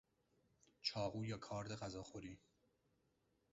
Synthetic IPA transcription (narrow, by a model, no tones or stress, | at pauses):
t͡ʃʰɒːɣuːjɒːkʰɒːɾd̪eɣæzɒːxoɾiː